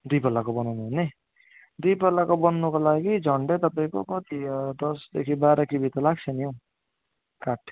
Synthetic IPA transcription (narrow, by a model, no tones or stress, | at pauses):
d̪ujpʌlːakobʌnawnne | d̪ujpʌlːakobʌnːukolaɡid͡zʱʌɳɖet̪ʌpaĩkokʌt̪id̪ʌsd̪ekʰibaɾʌkibʱit̪ʌlaɡt͡sʰʌnijõ | kaʈʰ